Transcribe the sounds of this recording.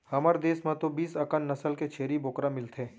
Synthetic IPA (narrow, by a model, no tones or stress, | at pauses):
hɐməɾd̪eːsmãt̪obiːsɐkənːɐsəlket͡ʃʰeːɾiboːkɾamɪlt̪ʰeː